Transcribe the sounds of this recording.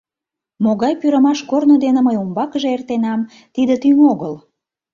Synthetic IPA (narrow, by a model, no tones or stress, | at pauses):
moɣɑjpyɾəmɑʃkornod̪eneməjumbɑkəʒeert̪enɑm | t̪id̪ət̪yŋoɣəl